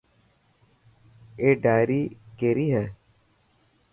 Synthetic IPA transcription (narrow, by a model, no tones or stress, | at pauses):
eːɖaːjɾiːkeːɾiɦɛː